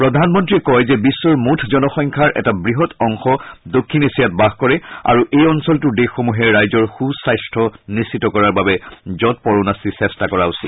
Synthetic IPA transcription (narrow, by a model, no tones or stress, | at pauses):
pɹɔdʱanmɔntɹiɛkɔjzɛbisːɔɹmutʰzɔnɔxɔŋkʰaɹʔɛ̰tabɹiɦɔtɔŋxɔdokʰːinesijat̚baxkɔɹɛa̰ɹuʔejɔnsɔltʊdexːomuɦɛɹɹajzɔɹxusajstʰɔnisitɔkɔɹaɹbabɛzɔt̚pɔɹonasisɛstakɔɹausḭl